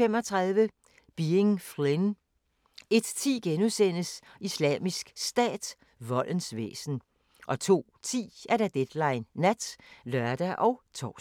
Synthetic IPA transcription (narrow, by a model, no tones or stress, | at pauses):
em̰ɒ̽t͡sʰʁɑðˠʋə | b̥ieŋfʁen | e̝d̥t͡sʰḭːɡ̥enusen̰əs | islɛ̰ːmisɡ̥sd̥ɛ̰ːd̥ | ʋɒ̽lʔənsʋḛːsn̩ | ʔɒ̽t͡sʰo̝̰ːt͡sʰḭːæɐɾ̥æd̥ed̥lɑ̈ɪnːæd̥lɶɐd̥æʔɒ̽ʊt͡sʰɒ̰ː